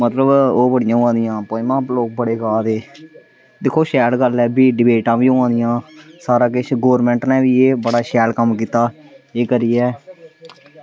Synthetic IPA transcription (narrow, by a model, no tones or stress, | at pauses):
mət̪ləboːbəɽɪjãːãːd̪ɪjãːpoːɪmãːloːk̚bəɽeːɡaːd̪eː | d̪ɪkʰːoːʃɛːlɡəlɛːbiːɖɪbeːʈãːʋiːõãːd̪ɪjãːsaːɾaːkɪt͡ʃʰɡoːɾmɛ̃ːɳʈnɛ̃ːʋiːeːbəɽaːʃɛːlkəmk̬iːt̪aːeːkəɾiːɛː